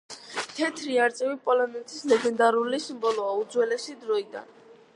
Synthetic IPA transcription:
t̪ʰɛt̪ʰɾiaɾt̪sʼɛvipʼɔlɔnɛt̪ʰislɛɡɛnd̪aɾulisimbɔlˠɔaud̪zwɛlɛsid̪ɾɔid̪a̰n

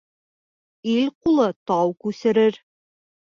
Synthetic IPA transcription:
ilqulˠɤt̪ɑwkʉsɘ̆ɾɘɾ

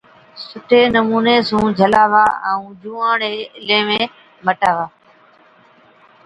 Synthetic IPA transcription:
sʊʈʰeːnəmuːneːsũːd͡ʒʱəlaːʋaːə̰ũːd͡ʒũːãːɳeːɪlẽːmẽː | məʈaːʋaː

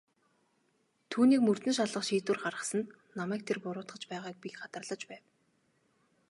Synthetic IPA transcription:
t̪ʰuːniːkmɵr̥t̪ɵ̆nʃ̬aɮə̆χʃiːt̪ŭːrχarə̆sə̆n | namæːk̚t̪ʰerpʊɾʊːt̪χə̆t͡ɕpæːʁaːk̚pikχat̪ə̆rɮə̆t͡ɕpæːw

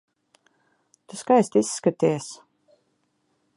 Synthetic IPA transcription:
t̪uskajst̪isːkat̪iɛs

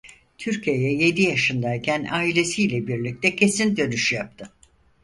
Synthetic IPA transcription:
t̪ʰyɾcʰijejɛje̞d̪ijaʃɯnd̪aicʲʰænʔaːilʲe̞sijlʲɛbiɾlʲic̚t̪ʰɛcʰe̞sind̪ø̞nyʃjap̚t̪ʰɯ

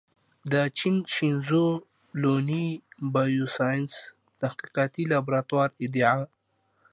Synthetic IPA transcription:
d̪ət͡ʃinʃinzo | lonibajusajns | t̪ahqiqɑt̪ilabɾat̪wɑːɾɪd̪iʕa

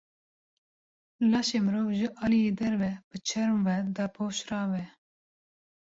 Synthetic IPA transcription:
lɑːʃeːmɨɾoːvʒɨʔɑlijeːd̪ɛɾvɛb̥ɨt͡ʃʰɛɾmvɛd̪ɑpʰoːʃɾɑːvɛ

